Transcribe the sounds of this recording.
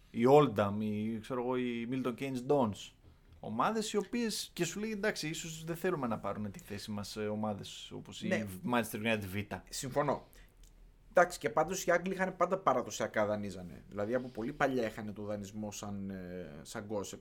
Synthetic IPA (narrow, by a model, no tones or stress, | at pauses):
io̞ld̪ɐmikse̞ɾoɣo̞imilt̪o̞ncejnsd̪ons | o̞̰mɐðe̞sio̞pie̞sce̞sule̞ɣed̪ɐksiisozðeθe̞lume̞nɐpɐɾunet̪i̥θe̞simɐso̞mɐðe̞so̞̰posinemɐnest̪ɾɣɐt̪vit̪ɐsiɱfo̞no̞ | d̪ɐksi̥ce̞pɐnd̪o̞siɐŋɡliixɐne̞pɐnd̪ɐpɐɾɐðosiɐkɐðɐnizɐne̞̰ðḭlɐðiɐpupo̞lipɐʎɐexɐne̞t̪o̞ðɐnizmo̞sɐnsɐŋɡo̞sek